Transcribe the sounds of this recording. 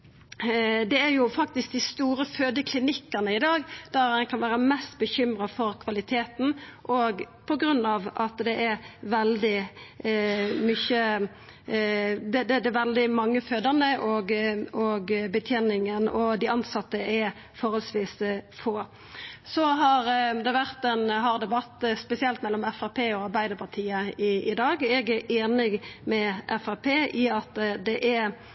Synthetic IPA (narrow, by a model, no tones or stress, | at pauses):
d̪ɛæɾjʊfɑk̚t̪ɪsk̚d̪ɪst̪uːɾəføːd̪əkʰlɪnɪkːənəɪd̪ɑːɡd̪̥æɾænkʰɑnʋæːɾəmɛst̪bəçʏmɾɑfɔɾkʰʋɑlɪt̪ʰeːt̪n̩ʔɔɡ | pʰɔɡɾʉnːɑʋɑt̪d̪ɛʔæɾʋɛld̪ɪ | mʏçə | d̪ɛd̪ɛd̪ɛʋɛld̪ɪmɑŋːəføːd̪əʁnəʔɔɡɔɡbət̪ʰjɛnɪŋənɔd̪ɪɑnsɑt̪ːəɛ | fɔɾhɔlsʋiːsfoː | sɔɦɑɾd̪ɛʋæɾt̪ɛnɦɑʁd̪ɛbɑt̪ːspɛsɪɛlt̪mɛlːɔmɛfæpʰeːɔɑɾbæɪd̪əɾpʰɑʁt̪ʰiːəɪɪd̪ɑːɡɛɡæʔeːnɪɡmɛʔɛfæpʰeːʔɪɑt̪d̪ɛʔæɾ